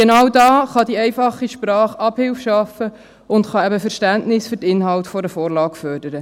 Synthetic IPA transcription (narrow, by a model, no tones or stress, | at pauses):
ɡ̥enɑwdɑːχɑdiɛjfɑχːiʃpɾɑːχɑb̥hɪlfʃɑfə | ʊntχɑɛbəfəɾʃtæntnɪsfyɾtɪnɦɑltfɔɾəfoːɾlɑːkfœːrd̥əɾə